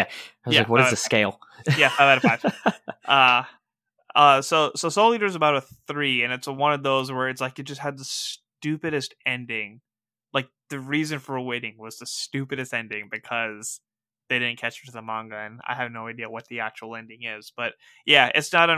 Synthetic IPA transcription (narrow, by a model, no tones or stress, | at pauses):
æaɪwʌjzælaɪkwʌɾɨzðɨskeɪlˠjæfaɪvaɾfaɪv̥ʌ | ʌsoʊsoʊsoʊlˠiɾə˞zəbaʊɾəθɹiɨ̃nɨtswʌ̃nʌvðoʊzwə˞ɨtslaɪkjɨt̚ʒ̥ʌst̚hɨd̪̚ðəstʉpɨɾɨstɛ̃ndɪ̃ŋ | laɪk̚ðɨɹizɨ̃nfə˞əweɪɾɪ̃ŋwʌz̥ðɨstʉpɨɾɨstɛ̃ndɪ̃ŋbɨkʰʌz | ðeɪɾɪdⁿn̩kʰæt͡ʃɾɨðəmɑ̃ŋɡɨɨ̃na̰ɪɨvnoʊaɪdiəwʌt̪̚ðiæt͡ʃə˞l̩ˠɛ̃ndɪ̃ŋɪz̥b̥ʌt̚ | jæɪ̰tsnəɾɨ̃